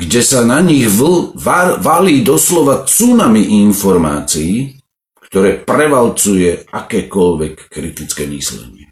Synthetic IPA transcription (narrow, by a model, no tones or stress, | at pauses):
ɡɟɛsanaɲiɣ | ʋaliːd̪ɔslɔʋat͡sunamiʔinfɔɾma̰ːt͡siː | kt̪ɔɾɛːpɾɛʋalt͡sujɛakɛːkɔʎʋɛkːɾit̪it͡skɛːmḭslɛ̰ɲɪɛ